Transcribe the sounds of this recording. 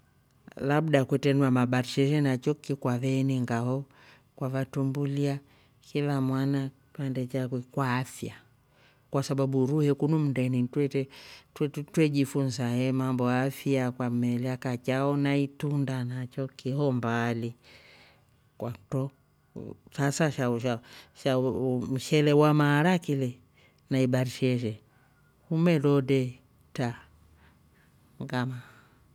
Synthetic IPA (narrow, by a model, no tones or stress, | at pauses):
laɓɗakwɛtɛnuamaɓaɾʃɛʒɛnat͡ʃɔkikwavɛniŋɡaɦɔ | kwavatumbulia | kilamwanaipandɛt͡ʃakwɛkwaːfja | kwasaɓaɓuɾuhɛkunum̩danitwɛtɛttwɛʄifunzahɛmambɔaafjakwamɛlɛakat͡ʃaɔnaitundanat͡ʃɔkihɔmbali | kwatɔ | sasaʃaʃaʃam̩ʃɛlɛwamaːɾakilɛ | naibaɾiʃɛʃɛ | humɛlɔdɛ | ta | ŋɡama